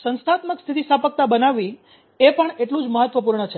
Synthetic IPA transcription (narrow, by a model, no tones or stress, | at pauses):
sə̃nst̪ʰat̪məkst̪ʰit̪isapək̚t̪abənaʋi | epəɳeʈlũd͡ʒməɦət̪ːʋəpuɾɳət͡ʃʰe